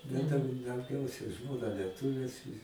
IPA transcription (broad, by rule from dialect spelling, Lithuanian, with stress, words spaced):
bʲɛt ˈtʲɛn dɐʊˈɡʲɛʊsʲɛ ˈʒmoːnɐ lʲiɛˈtʊʋʲeːs